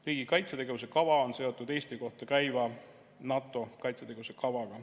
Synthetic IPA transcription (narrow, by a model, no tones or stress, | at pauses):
riːɡ̥ikɑjt̪set̪e̞ɡevus̬e̞kɑvɑo̞nse̞o̞t̪ːˑud̪̥e̞ːst̪iko̞ht̪ɑkæjvɑ | nɑt̪ːˑo̞kɑjt̪set̪e̞ɡe̞vuse̞kɑvɑɡ̥ɑ